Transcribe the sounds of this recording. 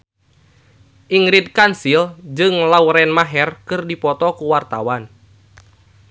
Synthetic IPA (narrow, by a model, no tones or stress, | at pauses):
ʔiŋɾidkansild͡ʒɨŋlauɾɛnmaɦɛrkɨrdipɔt̪ɔkuwart̪awan